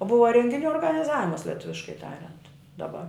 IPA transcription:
ˈbʊʋɐ rʲɛŋʲɡʲɪˈnʲuː oːrɡɐnʲɪˈzɑːʋʲɪmɐs lʲɛˈtʊʋʲɪʃkɐɪ ˈtɑːrʲɛnt dɐˈbɐ

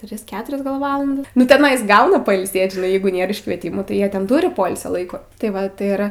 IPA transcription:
ˈtʲrʲɪs ˈkʲæːtʊrʲɛs ɡɐlˠ ˈʋɑːlˠɐndɐs nʊ tʲɛˈnɐɪs ˈɡɐʊnɐ pɐɪlʲˈsʲeːt ʒʲɪˈnɐɪ ˈjɛɪɡʊ ˈnʲeːr ɪʃkʋʲiɛˈtʲɪmuː tɐɪ ˈjiɛ tʲɛn ˈtʊrʲɪ ˈpoːɪlʲsʲoː ˈlˠɐɪkoː tɐɪ ˈʋɐ tɐɪ ˈɪr

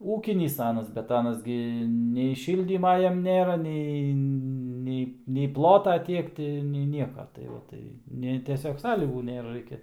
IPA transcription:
ˈuːkʲɪnʲiːs ˈɑːnɐs bʲɛt ˈɑːnɐs ɡʲɪ nʲɛɪ ˈʃʲiːlʲdʲiːmɐ ˈjɛm ˈnʲeːrɐ ˈnʲɛɪ ˈnʲɛɪ nʲɛɪ ˈplˠoːtɐ ˈtʲiɛk tʲɪ ˈnʲɛɪ ˈnʲiɛkɐ tɐɪ ˈʋɐ tɐɪ ˈnʲɛ tʲɛˈsʲoːk ˈsɑːlʲiːɡuː ˈnʲeːrɐ ˈrɐɪkʲɛ

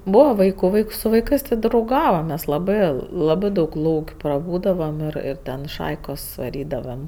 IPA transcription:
ˈbuːʋɐ ˈʋɐɪkʊ ˈʋɐɪks sʊ ʋɐɪˈkɜs tʲɪ drɐʊˈɡɑːʋɐm mʲɛs lˠɐˈbɜ ˈlˠɑːbɜ dɐʊk ˈlˠɐʊkʲ prɐˈbuːdɐʋɐm ɪr ɪr ˈtʲɛn ˈʃɐɪkoːs ʋɐˈrʲiːdɐʋɐm

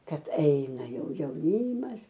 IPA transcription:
ˈkɐt ˈɐɪnɐ ˈjɛʊ jɛʊˈnʲiːmɐs

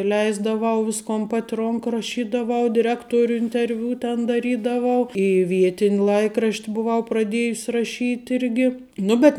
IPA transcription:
ˈlʲɛɪzdɐʋɐʊ ˈʋʲɪskoːn ˈpɐtʲ ˈroːŋk rɐˈʃʲiːdɐʋɐʊ dʲɪˈrʲæːktoːrʲʊ ɪnʲtʲɛrʲˈʋʲʊ tʲɛn dɐˈrʲiːdɐʋɐʊ iː ˈʋʲiɛtʲɪnʲ ˈlˠɐɪkrɐʃʲtʲ bʊˈʋɐʊ prɐˈdʲiɛjʊsʲ rɐˈʃʲiːt ˈɪrʲɡʲɪ ˈnʊ ˈbʲɛt

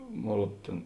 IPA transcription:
ˈmoːn ˈruɔt ˈtʲeːn

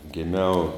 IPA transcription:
ɡʲɪˈmʲɛʊ

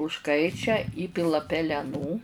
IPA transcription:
ʊʃˈkɐɪt͡ʃʲɛ ˈiːpʲɪlˠɐ pʲɛlʲɛˈnuː

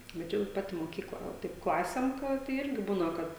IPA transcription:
bʲɛt ˈt͡ʃʲɛ jɛʊ ˈpɑːtʲɪ moːˈkʲiːklˠɐ ˈʋɐ ˈtɐɪp ˈklˠɑːsʲeːm ˈkɐt tɐɪ ˈɪrʲɡʲɪ ˈbuːnɐ ˈkɐt

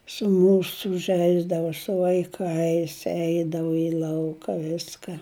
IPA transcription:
sʊ ˈmuːsʊ ˈʒʲɛɪzdɐʋoː sʊ ʋɐɪˈkɐɪs ˈɛɪdɐʋʊ ɪ ˈlˠɐʊkɐ ˈʋʲɪskɐ

